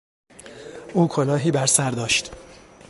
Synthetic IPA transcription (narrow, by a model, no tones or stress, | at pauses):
ʔuːkʰolɒːɦiːbæɾsæɾd̪ɒːʃt̪